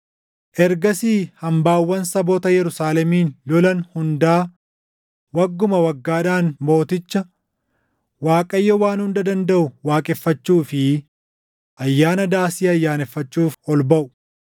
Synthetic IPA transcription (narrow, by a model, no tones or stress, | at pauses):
ʔɛɾɡɐsiːhɐmbaːwːɐnsɐboːt̪ɐjɛɾʊsaːlɛmiːnlɔlɐnhʊnd̪aː | wɐɡːʊmɐwɐɡːaːᶑaːnmo̞ːt̪ɪt͡ʃːɐ | waːkʼɐjːɐwaːnhʊnd̪ɐd̪ɐnd̪ɐʔʊwaːkʼɛfːɐt͡ʃːuːfɪ | ʔɐjːaːnɐd̪aːsiːɐjːaːnɛfːɐt͡ʃːuːfɔlbɐʔʊ